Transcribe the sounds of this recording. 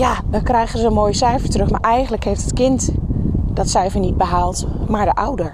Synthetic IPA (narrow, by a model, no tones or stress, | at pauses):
jadɔnkrɛjxəzəəmoːjəsɛjfəɹtrɵxmaɹʔɛjɣəndləkheːftətkɪntd̥ɔtsɛjfəɹnit̚bəɦaːlˠtmaːɹdəʔawdəɹ